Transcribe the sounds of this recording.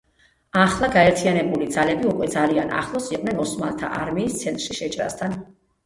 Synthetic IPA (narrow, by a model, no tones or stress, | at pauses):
aχlˠaɡaɛɾt̪ʰianɛbulid̪zalɛbiukʼwɛd̪zaliana̰χlˠɔsiqʼnɛnɔsmalˠt̪ʰa̰ʔaɾmiːst̪sʰɛnt̪ʼɾʃiʃɛt͡ʃʼɾa̰st̪ʰan